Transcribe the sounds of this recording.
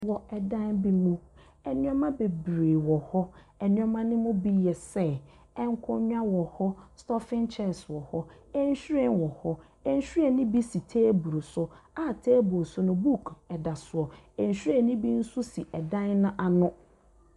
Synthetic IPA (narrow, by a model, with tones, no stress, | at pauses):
wɔ˨ɛ˨dã˦nbi˦mũ˦ | ɛ˨nɪ̃˦ɔ˦mã˦be˨bɾeː˨wɔ˨hɔ˦ɛ˨nɪ̃˦ɔ˦mã˦nɪ̃˦mʊ̃˦bi˦jɛ˨sɛ˦˨ | ɛ̃˦ŋ˦kʰʊ̃˦ɲᶣ˦a˦wɔ˨hɔ˦stɔ˦fɪ̃˦nt͡ʃʰɛ˦˨swɔ˨hɔ˦ɛ˦n˦ɕᶣu˦ɾɛ̃˨nwɔ˨hɔ˦ | ɛ˦n̩˦ɕᶣu˦ɾɛ˨nĩ˦bi˦si˨tʰeː˦bu˨ɾo˨sʊ˨a˦˨tʰeː˦bʊ˨sʊ˦nʊ̃˦bu˦˨kʰɛ˨da˨sʊ˨ɔ˨ | ɛ˨ɲ̩˨ɕᶣɥɾɛ˨nĩ˦bi˦n̩˦sʊ˦si˨ʔɛ˨dã˦nnʊ̃˦ʔa˨nʊ̃˦